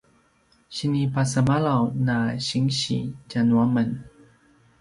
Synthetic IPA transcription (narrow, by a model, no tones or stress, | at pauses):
ɕinipasəmalawnaɕiŋɕḭt͡ɕanuamən